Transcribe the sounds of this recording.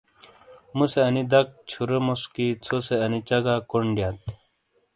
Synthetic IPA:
museɐnid̪ɐk̚t͡ɕʰuɾemoskit͡sʰoseɐnit͡ɕɐɡakoɳɖjat̪

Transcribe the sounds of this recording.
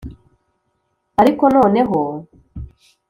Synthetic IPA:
aɾiko̞no̞ːne̞ɦo

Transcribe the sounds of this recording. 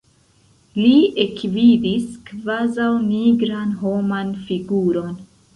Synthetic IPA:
liekvidiskvazawniɡɾanɦo̞manfiɡuɾo̞n

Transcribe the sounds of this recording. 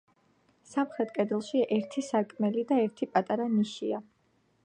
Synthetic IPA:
samχɾɛt̪ʼkʼɛd̪ɛlˠʃiʔɛɾt̪ʰisakʼmɛlid̪aɛɾt̪ʰipʼat̪ʼaɾaniʃia

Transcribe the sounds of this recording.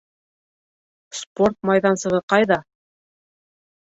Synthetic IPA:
spo̞rt̪̚mɑjðɑnsɤ̆ʁɤqɑjðɑ

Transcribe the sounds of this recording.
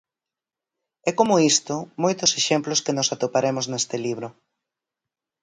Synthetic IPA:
ɛkomoist̪ʊmojt̪ʊseʃemplʊskenʊsat̪opaɾemʊznest̪ɪliβ̞ɾʊ

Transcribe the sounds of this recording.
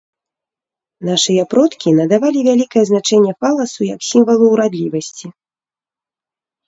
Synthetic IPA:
naʂɨjɐpɾɔt̪kʲinɐd̪avalʲivʲalʲikɐjɛznat͡ʂɛnʲːɛpalˠɐsujɐksʲimvɐlˠuwɾad̪lʲivɐsʲt͡sʲi

